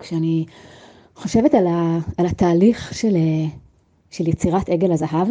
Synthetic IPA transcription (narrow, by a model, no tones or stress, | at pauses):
kʃeani | χo̞ʃe̞vetalaːlat̪aːliχʃele | ʃeljet͡siʁate̞ɡe̞lazaɦav